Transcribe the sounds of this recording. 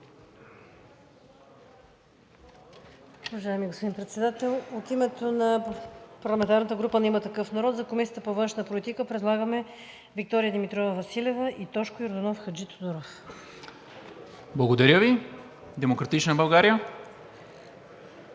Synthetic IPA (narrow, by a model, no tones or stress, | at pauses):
uvɐʒaɛmiɡospod̪inpɾɛt̪sɛd̪at̪ɛlˠot̪imɛt̪onɐpɐɾlˠɐmɛnt̪aɾnət̪əɡɾupənɛimət̪ɐkɤfnɐɾɔt̪zɐkomisʲijət̪əpovɤnʃnəpolit̪ikəpɾɛd̪lˠaɡəmɛ | vik̚t̪ɔɾijəd̪imit̪ɾɔvəvɐsilɛvəʔit̪ɔʃkojoɾd̪ɐnɔfxɐd͡ʒit̪od̪uɾof | blˠɐɡod̪ɐɾʲəvi | d̪ɛmokɾɐt̪it͡ʃnəbɐlˠɡaɾijə